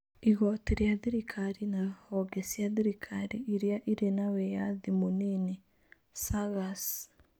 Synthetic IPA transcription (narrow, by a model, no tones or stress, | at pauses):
iɣɔteɾeaðiɾikʰaɾinahɔɡɛsiaðiɾikʰaɾiʔiɾjaʔiɾenawejaðimonine | saɣas